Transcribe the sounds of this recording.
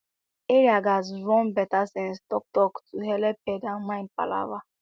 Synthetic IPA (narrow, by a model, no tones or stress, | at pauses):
eɾiaɡazɾɔmbɛtasɛnstɔk̚tɔktuɦelepɛɡamãnpa̰la̰va